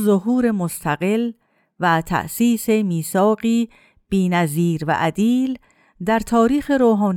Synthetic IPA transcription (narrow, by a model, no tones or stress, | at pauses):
zoɦuːɾe̞most̪ʰæɣe̞l | væt̪ʰæ̰ʔsiːsemiːsɒːɢiː | b̥iːnæziːɾvæ̰ʔæd̪iːl | d̪æɾt̪ʰɒːɾiːxe̞ɾoːɦɒːn